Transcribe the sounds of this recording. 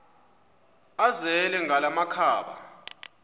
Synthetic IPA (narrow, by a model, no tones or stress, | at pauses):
azɛlɛŋalamakʰaːɓa̰